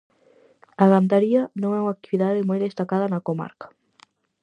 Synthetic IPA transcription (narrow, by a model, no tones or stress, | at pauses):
aɣant̪aɾianõŋɛuŋak̚t̪iβiðaðɪmojðest̪akaðɐnakoma̰ɾkḁ